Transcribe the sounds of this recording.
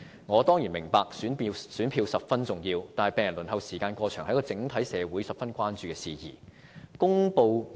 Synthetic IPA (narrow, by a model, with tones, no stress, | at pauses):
ŋɔː˨˧t̪ɔː˥ŋjiː˨˩mɪ˨˩ŋpaː˧k̚syː˨˥˧syː˨˥npʰiː˧wsɐ˨p̚fɐ˥nt͡sʊ˨˩ŋjiː˧wt̪aː˨nhjpeː˨jɐ˨˩nlɵ˨˩nɦɐ˨wsiː˨˩kaː˧nkʷɔː˧t͡ʃʰœː˨˩ŋhɐ˧˥jkɔː˧t͡sɪ˨˥ŋt̪ʰɐ˨˥jsɛː˨˧wuː˨˥jsɐ˨p̚fɐ˥nkʷaː˥nt͡ʃyː˨˧kɛː˧siː˨˩jḭː˨˩ | kʊ˥ŋpo˧w